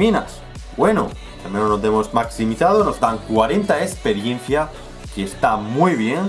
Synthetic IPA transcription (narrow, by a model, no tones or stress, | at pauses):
ina̰s | bweno̰ | t̪amjenonod̪emo̞zmaksimiθaðono̞zd̪aŋkwaɾe̞nt̪aespe̞ɾjẽ̞n̟θja | keest̪amujβje̞n